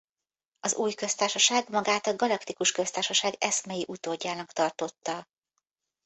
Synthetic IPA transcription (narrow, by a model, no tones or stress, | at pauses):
ɒzuːjkø̞st̪aːrʃɒʃaːɡmɒɡaːt̪ɒɡɒlɒkt̪ikuʃkø̞st̪aːrʃɒʃaːɡɛsmɛjiʔut̪oːɟːaːnɒkt̪ɒrt̪o̞t̪ːɒ